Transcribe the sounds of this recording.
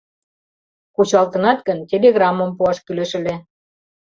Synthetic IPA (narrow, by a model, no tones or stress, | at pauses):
kut͡ɕɑlt̪ə̆nɑt̪kə̆ntʲelʲeɣrɑmːə̆mpuɑʃkyleʃɘ̆lʲe